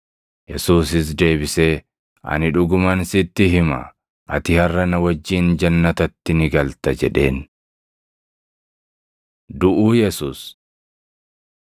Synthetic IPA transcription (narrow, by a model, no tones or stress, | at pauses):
jɛsuːsɪs̬d̪e̞ːbɪseː | ʔɐ̰nɪᶑʊɡʊmɐnsɪt̪ːɪɦɪmɐ̰ | ʔɐt̪ɪhɐrːɐnɐwɐd͡ʒːiːnd͡ʒɐnːɐt̪ɐt̪ːɪnɪɡɐlt̪ɐd͡ʒɛᶑe̞̰ːn | d̪ʊʔuːjɛsuːs